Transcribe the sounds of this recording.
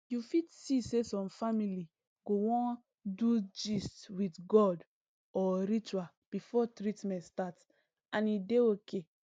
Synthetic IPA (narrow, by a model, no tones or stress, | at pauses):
jufitsisesɔ̃mfamili | ɡowɔ̃n | dud͡ʒistwitɡɔd | ɔɾit͡ʃua | b̥ifɔtɹitmɛ̃ntstat | ãnideoke